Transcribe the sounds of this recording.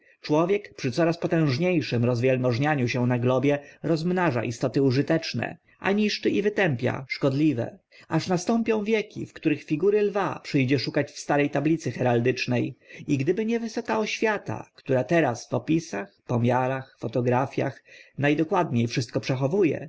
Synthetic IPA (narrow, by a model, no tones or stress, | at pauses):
t͡ʂwɔvʲjɛkpʂɘt̪sɔɾaspɔt̪ɛ̃w̃ʐɲejʂɘmɾɔzvʲjɛlmɔʐɲaɲuɕɛ̃naɡlɔbʲjɛɾɔzmnaʐa̰ʔist̪ɔt̪ɘuʐɘt̪ɛt͡ʂnɛ̰ | ʔa̰ɲiʂt͡ʂɘʔivɘt̪ɛmpʲja̰ʂkɔd̪lʲivɛ̰ | aʂnast̪ɔmpʲjɔ̃w̃vʲjɛkʲḭfkt̪uɾɘxfʲiɡuɾɘlvapʂɘjd͡ʑɛʂukat͡ɕfst̪aɾɛjt̪ablʲit̪sɘxɛɾald̪ɘt͡ʂnɛjiɡd̪ɘbɘɲɛvɘsɔkaɔɕfʲjat̪a̰kt̪uɾat̪ɛɾasfɔpʲisaxpɔmʲjaɾaxfɔt̪ɔɡɾafʲja̰xnajd̪ɔkwad̪ɲejfʂɘst̪̚kɔpʂɛxɔvujɛ̰